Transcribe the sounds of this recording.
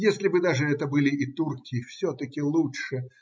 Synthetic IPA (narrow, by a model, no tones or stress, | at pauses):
jesʲlʲɪbɨd̪aʐɨɛt̪əbɨlʲɪʔit̪urkʲɪfsʲɔt̪əkʲɪlˠuʂɨ